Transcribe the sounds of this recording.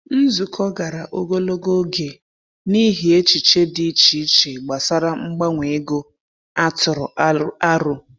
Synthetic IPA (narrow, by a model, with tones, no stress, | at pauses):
n̩˦zu˨kʰɔ˦ɡa˨ɾa˨ʔo˦ɡo˦lo˦ɡo˦ɡe˨ | ni˦ɦi˨e˦t͡ʃi˨t͡ʃe˦di˦t͡ʃi˨˦t͡ʃe˨ɡ͡ba˨sa˦ɾa˦ŋ͡m̩˦ɡ͡ba˦ŋʷe˨e˦ɡo˦ | a˦tʊ˨ɾʊ˨˦a˦ɾʊ˦